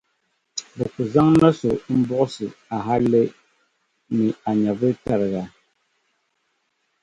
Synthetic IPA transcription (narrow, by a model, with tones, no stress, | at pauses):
bɛ˨ku˨za˦ŋna˦so˨˦m̩˦bɔ˦ʔsɨ˨a˨ɦa˦le˦ | mi˨a˨ɲa˨bɨ˦ta˨ɾɣa˨